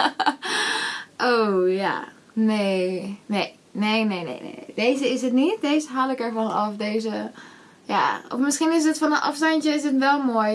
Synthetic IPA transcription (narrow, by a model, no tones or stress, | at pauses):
ʔowja̰ | nejnej | neːnejnḛjnḛnedeːzəɪsɦətnitdeːzəɦaːlɪkɛɹvɔnɔfdeːzə | ja̰ɔ̰fmɪsxinɪs̬dətfɔnənʔɑ̰fstɑnt͡ʃəɪs̬ətʋɛlˠmoːj